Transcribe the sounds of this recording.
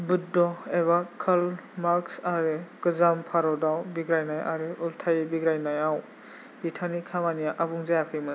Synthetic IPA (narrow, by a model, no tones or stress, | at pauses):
bɯdɔeβakʰɯlmaɾksaɾekɯzampʰaɾɔdawbiɡɾajnaja̰ɾeʔultʰajbiɡɾajnajaw | b̥itʰanikʰamanijaʔabuŋzajakʰɯjmɯ